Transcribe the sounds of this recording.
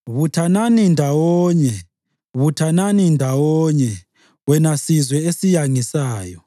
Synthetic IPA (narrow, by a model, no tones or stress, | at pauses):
βutʰananindʱawɔːɲɛ | βutʰananindʱawɔɲɛ | wɛnasizwɛesijaŋisaːjɔ